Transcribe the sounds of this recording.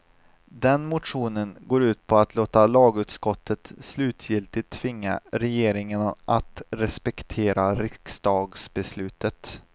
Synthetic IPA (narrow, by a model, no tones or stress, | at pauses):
d̪ɛnmʊt̪ɧuːnənɡoːɾʉ̟ːt̪pʰɔat̪loːt̪alɑːɡʉ̟ːt̪skɔt̪ʰːət̪slʉ̟ːt̪ʰjɪlt̪ɪt̪ʰːvɪŋːa̰ɾɛjeːɾɪŋənʔat̪ɾɛspɛkt̪ʰeːɾaɾɪksd̪ɑːɡsbɛslʉ̟ːt̪ət̪